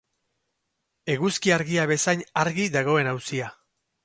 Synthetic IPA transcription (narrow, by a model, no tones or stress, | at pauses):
e̞ɣuskiaɾɣiaβe̞sajɲaɾɣiðaɣ̞o̞e̞nawsia